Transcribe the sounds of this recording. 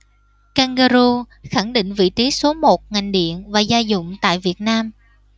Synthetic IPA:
kaː˧ŋɣaː˧zu˧ | xa˧˩ŋɗḭ̈˧˨ŋ̟vḭ˧˨t͡ɕi˨˦so˨˦mo˨˩t̚ŋa˨˩jŋ̟ɗḭ˧˨ənvaː˨˩zaː˧jzʊ̰˧˨ŋ͡mt̪a̰ː˧˨jvi˨˩ət̚naː˧m

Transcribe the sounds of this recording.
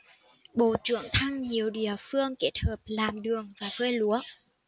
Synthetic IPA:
ɓo˧˩t͡ɕɨ̰˧˨əŋt̪ʰa˧ŋɲi˨˩əwɗḭ˧˨˩əfɨ˧əŋke˦˥t̚həː˨˩p̚laː˨˩mɗɨ˨˩əŋvaː˨˩vəː˧jlu˨˦ə

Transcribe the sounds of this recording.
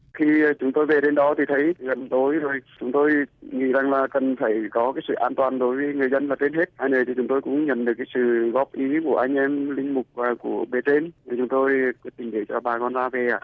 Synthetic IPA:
xi˧t͡ɕʊ˨˦ŋ͡mt̪o˧jve˨˩ɗe˧nɗɔ˨˦t̪ʰi˨˩t̪ʰə˨˦jɣə˨˩m˨t̪o˨˦jzo˨˩jt͡ɕʊ˨˦ŋ͡mt̪o˧jŋḭ˧˥˨za˨˩ŋlaː˨˩kə˨˩nfaː˧˩jkɔ˨˦kaː˨˦jsɨ̰˧˨ʔaː˧nt̪waː˨˩nɗo˨˦jvəː˨˦jŋɨ˨˩əjzə˧nlaː˨˩t̪e˧nɦe˦˥t̚haː˧jnəː˧˩t̪ʰi˨˩t͡ɕʊ˨˦ŋ͡mt̪o˧jkʊ̰˧˥ŋ͡mɲə̰˧˩˨nɗɨ˨˩əkːaː˨˦sɨ̰˧˨ɣɔ˦˥p̚ʔi˨˦ku˧˩əʔa˧jŋ̟ʔɛ˧mlï˧ŋ̟mʊ˨˩k͡p̚vaː˨˩ku˧˩əɓe˨˩t̪e˧naː˨˩t͡ɕʊ˨˦ŋ͡mt̪o˧jk̚t̪ï˨˩ŋɗe˧˩t͡ɕɔ˧ɓaː˨˩kɔ˧nzaː˧ve˨˩ʔaː˧˨

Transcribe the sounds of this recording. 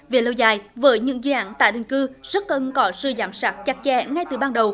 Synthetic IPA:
ve˨˩lo˧wzaː˨˩jvəː˨˦jɲɨ̰˧˥ŋzɨ˧ʔa̰ː˧˥nt̪a̰ː˧˨jɗï˨˩ŋ̟kɨ˧z̥ə˦˥t̚kə˧nkɔ˨˦sɨ˧zaː˨˦msaː˦˥k̚t͡ɕa˨˧˥k̚t͡ɕɛ̰˧˥ŋa˧jt̪ɨ˨˩ɓaː˧nɗə˨˩w

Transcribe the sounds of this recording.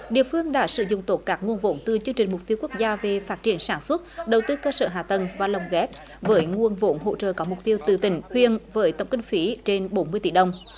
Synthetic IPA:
ɗḭ˧˨əfɨ˧əŋɗa̰ː˧˥sɨ̰˧˨zʊ̰˧˨ŋ͡mt̪o˦˥t̚kaː˦˥k̚ŋu˧ənvo̰˧˨˥nt̪ɨ˨˩t͡ɕɨ˧əŋt͡ɕï˨˩ŋ̟mʊ˨˩k͡p̚t̪i˧əwku˦˥ək̚zaː˧ve˨˩faː˦˥t̚t͡ɕi˧˩ənsaː˧˩nswə˦˥t̚ɗə˨˩wt̪ɨ˧kəː˧sə̰ː˧˩ɦaː˨˩t̪ə˨˩nvaː˨˩lə˨˩wŋ͡mɣɛ˦˥p̚ | vəː˨˦jŋu˧˩ənvo̰˧˥nɦo̰˧˨t͡ɕə̰ː˧˨kɔ˨˦mʊ˨˩k͡p̚t̪i˧əwt̪ɨ˨˩t̪ï˧˩˦ŋ̟hwi˨˧˨ənvəː˨˦jt̪ə̰˧˩wŋ͡mkï˧ŋ̟fi˨˦t͡ɕe˧nɓo˨˦nmɨ˧əjt̪i˧˩ɗə˧wŋ͡m

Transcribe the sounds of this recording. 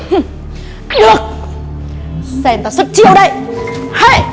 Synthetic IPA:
h | ɗɨ˨˩ək̚ | sɛ˧˩nt̪a˧˩sɨ˦˥t̚t͡ɕi˧əwɗə˧˨jha˧˨

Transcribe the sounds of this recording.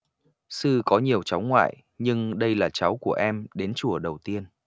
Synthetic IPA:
sɨ˧kɔ˨˦ɲi˨˩əwt͡ɕa˨˦wŋwa̰ː˧˨j | ɲɨ˧ŋɗə˧jlaː˨˩t͡ɕa˨˦wku˧˩əʔɛ˧mɗe˨˦nt͡ɕu˧˩əɗə˨˩wt̪i˧ən

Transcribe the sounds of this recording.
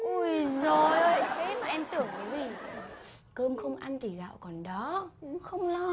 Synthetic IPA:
ʔu˧˩jzo˨˩jjt̪ʰe˨˦maː˨˩ʔɛ˧mt̪ɨ˧˩əŋʔə˨˦zi˨˩ | kəː˧mxə˧wŋ͡mʔa˧nt̪ʰi˨˩za̰ː˧˨wkɔ˨˩nɗɔ˨˦˨ŋ͡mxə˧wŋ͡mlɔ˧

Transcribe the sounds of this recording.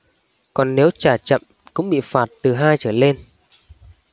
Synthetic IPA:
kɔ˨˩nːe˨˦wt͡ɕaː˧˩t͡ɕə̰˧˨m | kʊ̰˧˥ŋ͡mɓḭ˧˨faː˨˩t̚t̪ɨ˨˩ɦaː˧jt͡ɕəː˧˩le˧n

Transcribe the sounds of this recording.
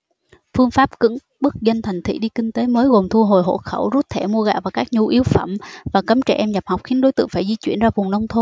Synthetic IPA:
fɨ˧əŋfaː˦˥p̚kɨ̰˧˥ŋ | ɓɨ˦˥k̚zə˧nt̪ʰa˨˩jŋ̟t̪ʰḭ˧˩ɗi˧kï˧ŋ̟t̪e˨˦məː˨˦jɣo˨˩ŋ͡mt̪ʰu˧ɦo˨˩jɦo̰˧˩˨xə˧˩wzu˦˥t̚t̪ʰɛ˧˩mu˧əɣa̰ː˧˨˩vaː˨˩kaː˦˥k̚ɲu˧˩ʔi˨˦əwfə̰˧˩mvaː˨˩kə˨˦mt͡ɕɛ̰˧˩ʔɛ˧mza˨˩p̚hɔ˨˩wk͡p̚xi˨˦ənɗo˨˦jt̪ɨ̰˧˨əŋfaː˧˩jzi˧t͡ɕwḭ˧˩ənzaː˧vʊ˨˩ŋnə˧wŋ͡mt̪ʰo˧

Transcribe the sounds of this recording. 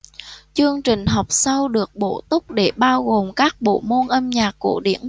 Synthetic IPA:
t͡ɕɨ˧əŋt͡ɕï˨˩ŋ̟ɦɔ˨˩wk͡p̚sa˧wɗɨ˨˩ək̚ɓo̰˧˩t̪ʊ˦˥k͡p̚ɗe˧˩ɓaː˧wɣo˨˩mkaː˦˥k̚ɓo̰˧˨mo˧nʔə˧mɲaː˨˩kːu˧˩əɗḭ˧˩ən

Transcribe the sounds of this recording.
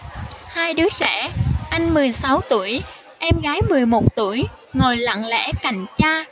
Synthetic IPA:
haː˧jɗɨ˨˦zɛ̰˧˩˥ʔa˧jŋ̟mɨ˨˩əjsa˨˦wt̪ṵ˧˩əj | ʔɛ˧mɣaː˨˦jmɨ˨˩əjmo˨˩t̚t̪u˧˩əj | ŋo˨˩jla̰˧˨ŋlɛ̰˧˥ka˨˩jŋ̟t͡ɕaː˧

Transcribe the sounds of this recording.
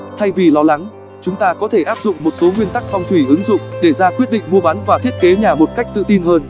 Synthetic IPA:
t̪ʰa˧jvi˨˩lɔ˨˦la˨˦ŋ | t͡ɕʊ˨˦ŋ͡mt̪aː˧kɔ˨˦t̪ʰe˧˩ʔaː˦˥p̚zʊ̰˧˨ŋ͡mmo˨˩t̚so˨˦ŋwi˧ənt̪a˦˥k̚fɔ˧wŋ͡mt̪ʰwi˧˩ʔɨ˨˦ŋzʊ̰˧˨ŋ͡mɗe˧˩zaː˧kwi˦˥ət̚ɗḭ˧˨ŋ̟mu˧əɓa˨˦nvaː˨˩t̪ʰi˦˥ət̚ke˨˦ɲaː˨˩mo˨˩t̚ka˦˥jk̟̚t̪ɨ̰˧˨t̪i˧nɦəː˧n

